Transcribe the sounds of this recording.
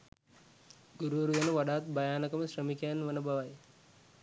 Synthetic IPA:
ɡuɾuʋɐɾud̪ɐnəʋaɖaːt̪bajaːnəkəməɕrəmikɐjanʋənəbaʋaj

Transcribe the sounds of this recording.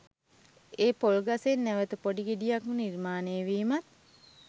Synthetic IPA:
eːpolɡasenːæʋət̪əpoɖiɡiɖijakmunirmaːneːʋiːmat̪̚

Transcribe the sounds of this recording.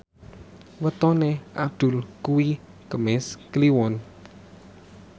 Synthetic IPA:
wət̪ɔneʔab̚d̪̥ʊ̤lkuwi | kəmɛskliwɔn

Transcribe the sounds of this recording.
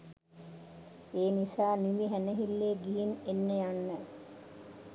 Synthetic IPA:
eːnisaːniʋiɦænəɦilːeːɡiɦinenːejanːə

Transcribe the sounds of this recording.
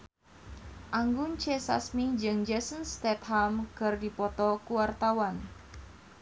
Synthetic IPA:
ʔaŋɡʊnt͡ʃesa̰smid͡ʒɨŋd͡ʒɛsənst̪ɛt̪hamkərdipɔt̪ɔkuwart̪awan

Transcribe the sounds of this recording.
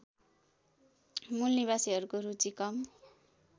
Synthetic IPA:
mulniβasiɦʌɾukoɾut͡sikʌm

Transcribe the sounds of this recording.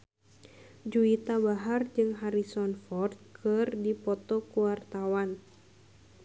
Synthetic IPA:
d͡ʒuit̪abaɦard͡ʒɨŋɦaɾisɔnfɔrt̪̚kʰɨrdipɔt̪ɔkuwart̪awan

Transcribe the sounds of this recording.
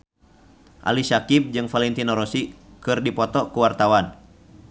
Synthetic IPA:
ʔa̰lisakib̚d͡ʒɨŋfalɛnt̪inɔɾɔsikɨrdipɔt̪ɔkuwart̪awan

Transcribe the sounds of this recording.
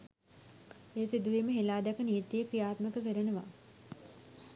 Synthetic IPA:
eːsid̪uʋiməɦelaːd̪ɛkənijt̪ːiepɾijaːt̪məkəkəɾenəʋa̰

